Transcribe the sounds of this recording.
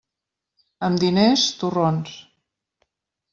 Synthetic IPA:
əmd̪inest̪urons

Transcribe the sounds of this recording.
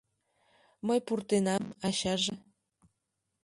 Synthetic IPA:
məjpurt̪enɑmɑɕɑʒe

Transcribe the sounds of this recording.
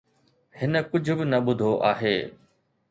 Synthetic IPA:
hɪnə̆kʊd͡ʑʱʊbɪnɐɓʊd̪ʱoʔa̰ːɦeː

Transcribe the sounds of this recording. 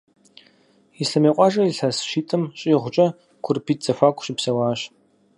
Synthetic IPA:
iɬɐmeːqʷʼɑːʒɐiɬɐsʃiːtʰʼɨmɕʼiːʁʷʊt͡ʃʼɐ | kʷʰʊrpʰiːt̚z̥ɐfaːkʷʰʼɕɪpsɐwaːɕ

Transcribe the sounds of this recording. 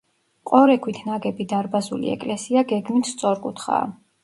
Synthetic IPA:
qʼɔɾɛkʰwit̪ʰnaɡɛbid̪aɾbazṵlḭɛ̰kʼlɛsiaɡɛɡmit̪ʰst̪sʼɔɾkʼut̪χa̰ː

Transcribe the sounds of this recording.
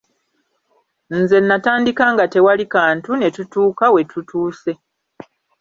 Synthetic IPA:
n̩ze̞nːataːndikaːŋɡate̞walikaːntune̞tutuːkawe̞tutuːse̞

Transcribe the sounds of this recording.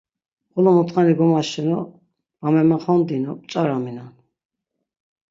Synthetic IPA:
ɔlɔmɔt̪χaniɡɔmaʃɛnɔ | vamɛmaχɔnd̪inɔpʼt͡ʃʼaɾaminan

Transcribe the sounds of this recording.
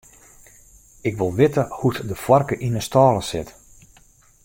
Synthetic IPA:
ɪkʋɪlˠʋɪtəhutdəfwɔrkəʔinəstɔːlˠəsɪt

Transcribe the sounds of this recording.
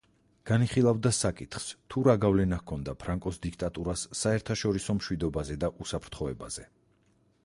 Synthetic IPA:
ɡ̥aniχilˠavd̪asakʼit̪ʰχst̪ʰuɾaɡavlɛnahkʰɔnd̪apʰɾaŋkʼɔsd̪ik̚ʰt̪ʼat̪ʼuɾasːaɛɾt̪ʰaʃɔɾisɔmʃwid̪ɔbazɛd̪aʔusapʰɾt̪ʰχɔɛbaz̥ɛ

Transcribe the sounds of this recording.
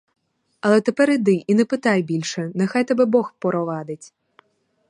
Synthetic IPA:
ɐlˠɛt̪ɛpɛɾid̪ɪʔinɛpɪt̪ajbʲilʲʃɛnɛxajt̪ɛbɛbɔxpɔɾɔʋɑd̪ɪtʲ

